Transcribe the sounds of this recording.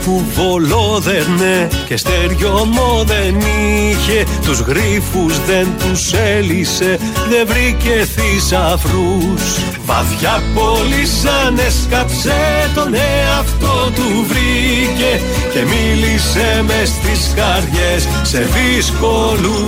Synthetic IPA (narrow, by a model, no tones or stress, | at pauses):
puvo̞loðeɾnecest̪eɾʝomoðeniçe̞t̪uzɣɾifuzðe̞nt̪uselise̞ | ðe̞vɾice̞θisɐfɾus | vɐ̰θçɐpolisɐneskɐpset̪oneɐft̪ot̪u | vɾi | ce̞ | ce̞milisemest̪iskɐɾʝe̞sːe̞ðisko̞ | lu